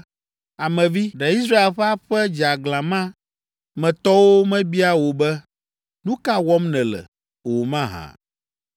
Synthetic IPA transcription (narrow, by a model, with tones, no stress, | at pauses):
a˨mɛ̃˨vi˦ɖɛ˨i˦s̬ɾa˦e˦˨lɸɛ˦a˦ɸɛ˦d͡ʒa˨ɡlã˨mã˦ | mɛ̃˨t̪ɔ˦wo˦mɛ̃˦bi˦a˦wo˨bɛ˦ | nũ˦ka˦wɔ˦mnɛ̃˨lɛ̰˨ | wo˨mã˦ɦã̰˨